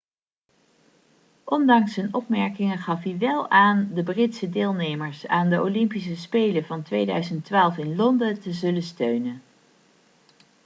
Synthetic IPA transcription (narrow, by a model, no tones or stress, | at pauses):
ʔɔndɑŋsənɔpmɛɹkɪŋənχɑfɦiʋɛlˠaːndəbrɪtsədeːlˠnejməɹsaːndəʔo̰lɪmpisəspejləvɑntʋejdœɥzəntʋaːlˠfɪnlɔndətəzɵlənstøɥnən